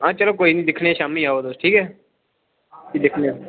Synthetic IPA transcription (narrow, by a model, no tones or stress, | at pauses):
ãːt͡ʃəloːkoːiːnĩːd̪ɪkʰneːʃaːmiːaːoːd̪oːsʈʰiːkɛː | kid̪ɪkʰne